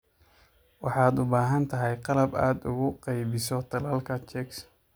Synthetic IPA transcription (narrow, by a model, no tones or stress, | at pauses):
wɑħɑːd̪ʊbaːɦɐnt̪ʰɐɦɛjqɑlɐbaːd̪ʊɣʊqɑjbɪsɔt̪ʰɐlaːlkʰɐt͡ʃɛks